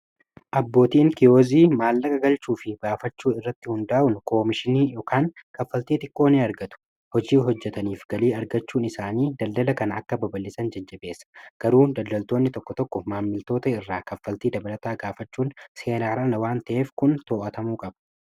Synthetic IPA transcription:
ʔɐbːo̞ːt̪iːŋkɪjoːziːmaːlːɐkɐɡɐlt͡ʃuːfɪɡaːfɐt͡ʃːuːɪrːɐt̪ːɪhʊnd̪aːʔʊnko̞ːmɪʃɪniːjoːkaːŋkɐfːɐlt̪iːt̪ʼɪkʼːo̞ːneːɐɾɡɐt̪ʊ̥ | hɔd͡ʒiːɦɔd͡ʒːɛt̪ɐniːfɡɐliːɐɾɡɐt͡ʃːuːnɪsaːniːd̪ɐld̪ɐlɐkɐnɐɐkːɐbɐbɐlːɪsɐnd͡ʒɐd͡ʒːɐbe̞ːsːɐ̥ɡ̥ɐɾuːd̪ɐld̪ɐlt̪o̞ːnːɪt̪ɔkːɔt̪ɔkːɔmaːmːɪlt̪o̞ːt̪ɐɪrːaːkɐfːɐlt̪iːd̪ɐbɐlɐt̪aːɡaːfɐt͡ʃːuːnse̞ːnaːɾaːnɐwaːnt̪ɐʔe̞ːfkʊnt̪o̞ːʔɐt̪ɐmuːkʼɐbɐ̥

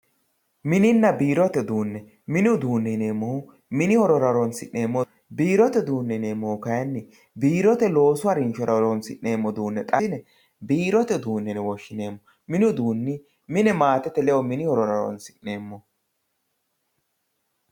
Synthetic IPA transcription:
mɪnɪnːɐbiːɾɔt̪ɛd̪uːnːɛ | mɪnʊd̪uːnːɛneːmːɔhʊ | mɪnɪhɔɾɔɾɐɾɔnsɪʔne̞ːmːɔ | biːɾɔt̪ɛd̪uːnːɛneːmːoːkɐjɐnːɪ | biːɾɔt̪ɛlo̞ːsʊwaɾɪnʃɔɾɐɾɔnsɪ̰ʔne̞ːmːɔd̪uːnːɛt̪ʼɐɪnɛ | biːɾɔt̪ɛd̪uːnːɛnɛwɔʃːɪne̞ːmːɔ | mɪnʊd̪uːnːɪ | mɪnɛmaːt̪ɛt̪ːɛlɛɔmɪnɪhɔɾɔɾɐɾɔ̰nsɪ̥ʔːe̞ːmːɔ

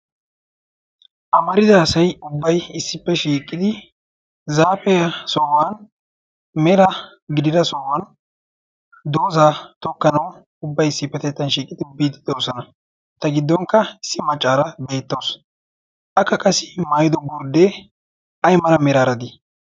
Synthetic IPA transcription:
ʔɐmɐɾɪzɐːsɐjʊbːɐjɪsːɪpːɛʃiːkʼɪd̪ɪ | zaːpɛjɐsɔwan | mɛɾɐ | ɡɪd̪ɪd̪ɐsɔwɐn | d̪oːzaːt̪ɔkːɐnɐw | ʊbːɐjɪsːɪpːɛt̪ɛt̪ːɐnʃiːkʼɪd̪ɪbiːt̪ːɪ̥d̪oːsɔnɐ | t̪ɐɡɪd̪ːɔŋkːɐɪsːɪmɐt͡ʃʼːaːɾɐbe̞ːt̪ːoːs | ʔɐkːɐkʼɐsɪmaːjɪd̪ɔɡʊɾd̪e | ɐjmɐɾɐmɛɾaːɾɐd̪ɪ

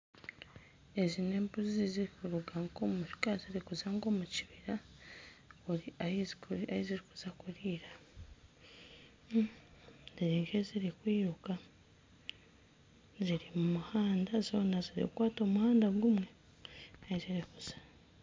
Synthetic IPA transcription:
e̞zine̞mbuziziziɾikuɾuɡaŋkomuʃi̥kaziɾikuzaŋɡo̞muci̥βiɾa | uɾiaizaiziɾikuz̥akuɾiːɾa | ziɾiŋkeziɾikwiːɾuka | ziɾimumuhaːndazo̞ːnaziɾḭkukwaːto̞muhaːndaɡumwe̞ | aiziɾikuz̥ḁ

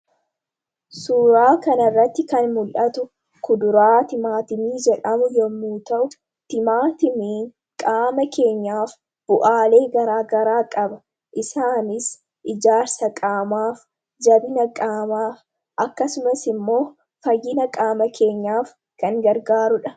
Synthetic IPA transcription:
suːɾaːkɐnɐrːɐt̪ːɪkɐnmʊlʔɐt̪ʊ | kʊd̪ʊɾaːt̪ɪmaːt̪ɪmiːd͡ʒɛᶑɐmʊjɔmːuːt̪ɐʔʊ | t̪ɪmaːt̪ɪmiːŋ | kʼaːmɐkʰe̞ːɲːaːf | b̥ʊʔaːle̞ːɡɐɾaːɡɐɾaːkʼɐbɐ | ʔɪsaːnɪs | ʔɪd͡ʒaːɾsɐkʼaːmaːf | d͡ʒɐbɪnɐkʼaːmaːf | ʔɐkːɐsʊmɐsɪmːo̞ː | fɐjːɪnɐkʼaːmɐkʰe̞ːɲːaːf | kɐŋɡɐɾɡaːɾʊᶑɐ̥

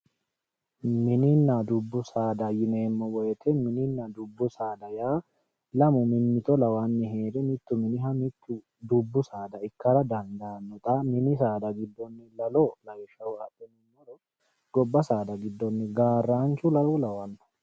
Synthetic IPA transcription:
mɪnɪnːad̪ʊbːʊsaːd̪ɐjɪneːmːɔwɔjɛt̪ʰɛmɪnɪnːad̪ʊbːʊsaːd̪ɐjaː | lɐmʊmɪnːɪt̪ɔlɐwanːɪɦeːd̪ɛmɪt̪ːʊmɪnɪhɐmɪt̪ːʊ | d̪ʊbːʊsaːd̪ɐɪkːɐɾɐd̪ɐnd̪anːɔt̪ʼɐmɪnɪsaːd̪ɐɡɪd̪ːɔnːɪlɐloːlɐjʃɐwaːtʼːɛnɪmɔɾɔ | ɡ̥ɔbːɐsaːd̪ɐɡɪd̪ːɔnːɪɡaːrːaːnt͡ʃʊlɐɔlɐwɐnːɐ̥

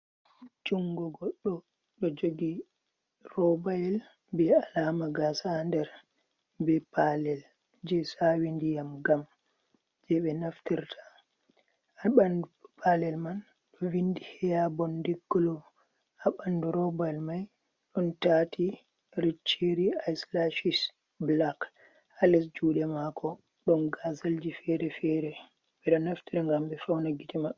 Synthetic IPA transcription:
d͡ʒuŋɡɔɡɔɗːɔ | ɗɔd͡ʒoɡi | rɔbajɛl | bɛalamaɡasandɛɾ | bɛpalɛl | d͡ʒɛsawindijamɡam | d͡ʒɛɓɛnaftiɾtʰḁ | aɓandupʰalɛlman | ɗɔwindihɛjabɔndiɡːɔlɔ | aɓanduɾɔbalmaj | ɗɔntatʰi | ɾit͡ʃːeɾiajslaʃis | blak | alɛsd͡ʒuːɗɛmakʰɔ | ɗɔnɡazald͡ʒifɛɾɛfɛɾɛ | ɓɛɗɔnaftiɾɛŋɡambɛfawnaɡitɛma

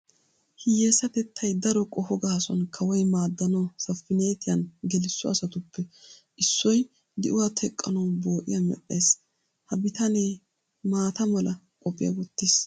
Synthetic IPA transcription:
hɪjeːsɐt̪ɛt̪ʰːɐjd̪ɐɾɔkʼɔhɔɡaːsɔ̰nkʰɐwɔjmaːd̪ːɐnɐsɐfːɪne̞ːt̪ɪjɐnɡɛlɪsːɔɐsɐt̪ʊpʰːɛʔɪsːɔj | d̪ɪʔʊwaːt̪ʰɛkʼːɐnɐwbo̞ːʔɪ̰jɐmɛ̰ʔːeːs | hɐbɪt̪ɐneː | maːt̪ɐmɐlɐ | kʼɔpʼːɪjɐ̰wɔt̪ːis

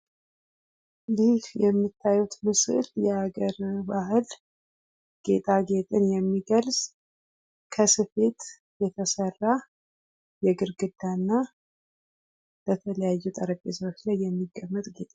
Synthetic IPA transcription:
liljɛmːit̪ʰːajut̪mɨsɨljɛaɡəɾbahɨl | ɡ̥e̞t̪ʼaɡe̞t̪ʼɨnjɛmːiɡəlz̥ | kʰəsɨfe̞t̪ | jɛt̪ʰəsərːa | jɛɡɨɾɡɨd̪̥ːanːa | b̥ət̪ʰələjajːut̪ʼəɾəbesəwot͡ʃlajːɛmːiɡːəmːət̪ʼɡe̞t̪ʼa

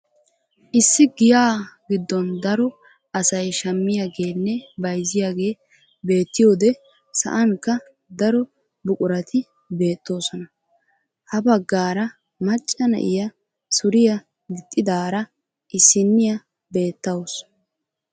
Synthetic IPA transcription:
ʔɪsːɪɡɪjaːɡɪd̪ːɔnd̪ɐɾɔ | ɐsɐjʃɐmːɪjaːɡe̞ːnːɛbɐjzɪjaːɡe̞ː | be̞ːt̪ːɪjo̞ːd̪ɛ | sɐ̰ʔɐŋkːɐ | d̪ɐɾɔ | bʊkʼʊɾɐt̪ʰɪ | be̞ːt̪ːo̞ːsɔnɐ | hɐbɐɡːaːɾɐ | mɐt͡ʃʼːɐnɐ̰ʔɪjɐ | sʊɾɪjɐ | ɡɪt̪ʼːɪd̪aːɾɐ | ʔɪsːɪnːɪjɐ | be̞ːt̪ːɐws

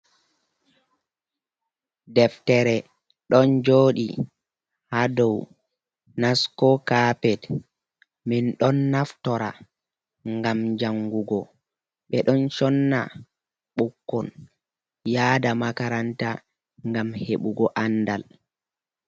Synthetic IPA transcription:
dɛftɛɾɛ | ɗɔnd͡ʒoːɗḭ | hadɔw | naskɔkaːpɛt | minɗɔnːaftɔɾa̰ | ŋɡamd͡ʒaŋɡuɡɔ | ɓɛɗɔnt͡ʃɔnːa̰ | ɓukːɔn | jaːdamakaɾanta | ŋɡamheɓuɡɔʔanːdal

